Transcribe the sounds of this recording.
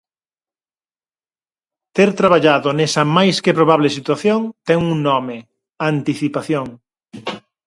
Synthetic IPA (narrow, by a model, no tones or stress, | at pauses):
t̪eɾt̪ɾaβ̞aʎaðonɛsɐmajskɪpɾoβ̞aβlɪsit̪waθjoŋt̪ɛŋuŋnɔme | ant̪iθipaθjoŋ